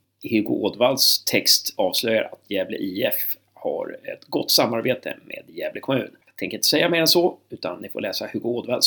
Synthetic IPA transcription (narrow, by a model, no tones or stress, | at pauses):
hʉɡʊʔoːd̪valst̪ʰɛkst̪ɑːvslœja̰ɾʔat̪ʰjɛːvlə̰ʔiːɛf | ha̰ɾɛ̰t̪ɡɔt̪ːsamːaɾbeːt̪ʰə̰mḛːd̪jɛːvləkʰɔmʉ̟ːnjɑːɡ̚t̪ʰɛŋkɾɪnt̪əsɛjːameːɾɛnsɔʉ̟ːt̪ʰanːɪfo̰lɛːsahʉɡʊoːd̪vals